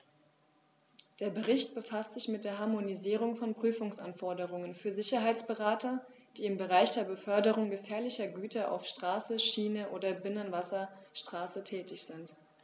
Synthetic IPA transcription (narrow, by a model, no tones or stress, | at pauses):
d̥eːɐbəʁɪçtb̥əfastz̥ɪçmɪt̚d̥eːɐɦaɐmoniziːʁ̞ʊŋfɔnpʁ̥yːfʊŋsʔanfɔɐdəʁ̞ʊŋənfyːɐzɪçɐɦaɪt͡sb̥əʁaːtɐ | d̥iːɪmbəʁaɪçd̥eːɐbəfœɐdəʁ̞ʊŋɡəfɛːɐlɪçɐɡyːtɐʔa̰ʊfʃtʁ̥aːsəʃiːnəʔoːdɐbɪnənvasɐʃtʁ̥aːsətʰɛːtɪçz̥ɪnt